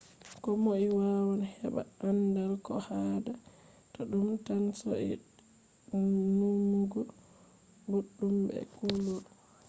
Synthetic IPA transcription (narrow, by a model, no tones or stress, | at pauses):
kɔmoiwawanhɛ̰ɓa̰andalkɔhada | tɔɗumtansɔ̰ɛ̰ | numːuɡɔ | buɗːumbɛ̰kuloɗ